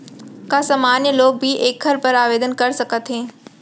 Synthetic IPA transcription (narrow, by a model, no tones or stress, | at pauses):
kaːsaːmaːnjəloːk̚bʱiʔeːkʰɐɾpɐɾaːʋeːd̪ənkɐɾsɐkʰət̪ɦẽː